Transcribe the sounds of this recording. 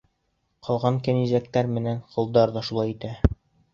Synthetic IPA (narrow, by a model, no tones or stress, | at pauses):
qʰɒlˠʁɑŋkænizæk̚t̪æɾmɘ̆nænqŏlˠd̪ɑɾðɑʃulˠɑjit̪æ